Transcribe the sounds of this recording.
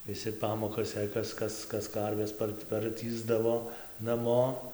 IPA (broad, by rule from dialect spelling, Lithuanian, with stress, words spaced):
ʋʲɪˈsʲɪ ˈpɑːmoːkɐs jɛɪ ˈkɐs ˈkɐs ˈkɐs ˈkɐrʲʋʲɛs ˈpɐrt pɐrʲˈtʲiːzdɐʋoː nɐˈmoː